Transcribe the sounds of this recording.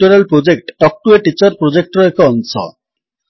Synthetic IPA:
uɾelpɾod͡ʑek̚ʈːɔk̚ʈueʈit͡ɕɔɾpɾod͡ʑek̚ʈɾɔekɔɔnsɔ̰

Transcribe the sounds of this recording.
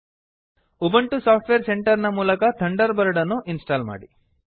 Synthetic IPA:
ubɐɳʈusaːp̚ʰʈʋeːɾseɳʈɐɾnɐmuːlɐkɐt̪ʰɐɳɖɐɾbɐɾɐɽɐnːuʔinsʈaːlma̰ːɽi

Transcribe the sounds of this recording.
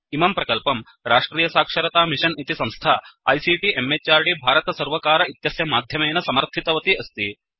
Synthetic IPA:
imɐmpɾɐkɐlpɐm | ɾaːʂʈɾiːjɐsaːkʂɐɾɐt̪aːmiʂɐnit̪isɐmst̪ʰaːɐ̰jsiːʈiemːet͡ʃːaːɾɖibʱaːɾɐt̪ɐsɐɾʋɐkaːɾɐit̪jɐsjɐmaːd̪ʱjɐmɐjnɐsɐmɐɾt̪ʰit̪ɐʋɐt̪iɐst̪i

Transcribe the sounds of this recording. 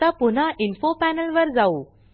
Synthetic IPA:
apun̤aʔinfopænəlʋəɾd͡zau

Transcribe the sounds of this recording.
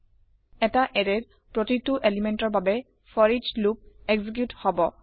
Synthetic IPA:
ɛtaʔɛɹɛɹ | pɹotituʔelimɛntɔɹbabɛ | fʰɔɹid͡ʒlup̚eɡzik̬juthɔbɔ

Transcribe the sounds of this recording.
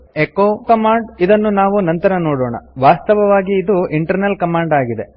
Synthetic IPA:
ekokɐmaːɳɖid̪ɐnːunaːʋunɐnt̪ɐɾɐnoːɽoːɳɐ̰ʋaːst̪ɐʋɐʋaːɡiːd̪uʔiɳʈɐɾnɐlkɐmaːɳɖaːɡid̪e̞

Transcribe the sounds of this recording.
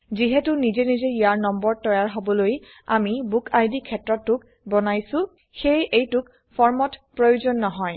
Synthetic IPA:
ziɦɛtʊnizenizeiaɹnɔmbɔɹtɔjaɹɦobɔloj | a̰mibukʰajdikʰɛtɹɔtːʊk | bɔnajsʊ̃ | xejejtʊk | pʰɔɹmɔtpɹojuzɔnːɔɦɔj

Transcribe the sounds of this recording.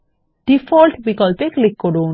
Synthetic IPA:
ɖ̥ifɔːlʈbikɔlpeklɪkːoɖo

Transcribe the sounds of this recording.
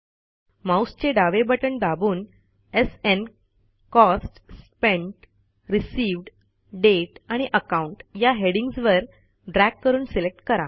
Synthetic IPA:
mawst͡ɕeɖaʋebəʈəɳd̪abuːn | esen | kɔsʈspẽɳʈ | ɾisiːʋɖ | ɖeʈaɽ̃iʔəkauɳʈjaɦeɽiŋɡsʋəɾ | ɖɾækːəɾuːnselek̚ʈkəɾa

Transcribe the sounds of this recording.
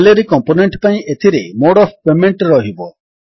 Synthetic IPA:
leɾikɔmponeɳʈpaĩʔet̪ʰiɾemoɽɔfpemeɳʈɾɔɦibɔ

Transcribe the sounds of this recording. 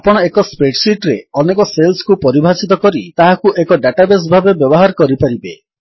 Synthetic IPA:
apɔɽ̃ɔekɔspeʈsiʈɾeɔnekɔselskupɔɾibʱasit̪ɔkɔɾit̪aɦakuʔekɔɖaʈabes̬bʱabebjɔbɔɦaɾkɔɾipaɾibe

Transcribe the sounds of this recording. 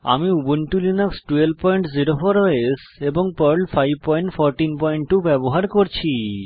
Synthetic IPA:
a̰miubonʈulinoksʈuelpɔjɳʈziɾofoɾoes | eboŋpɔɾlfajb̚pɔjɳʈfɔɾʈinpɔjɳʈʈubɛboɦaɾkoɾt͡ɕʰi

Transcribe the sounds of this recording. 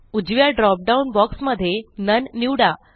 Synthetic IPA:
ud͡ʑʋjaɖɾɔp̚ɖaunbɔksməd̪ʱːjenənːiwɽa

